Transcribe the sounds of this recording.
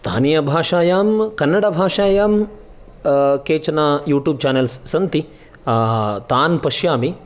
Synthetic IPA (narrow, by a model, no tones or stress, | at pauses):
st̪ʰa̰ːnijɐbʱaːʂaːjaːmkɐnːɐɽɐbʱaːʂaːjaːm | keːt͡ʃɐnajuːʈjuːb̚t͡ʃaːnelsːɐnt̪i | t̪aːnpɐʃjaːmi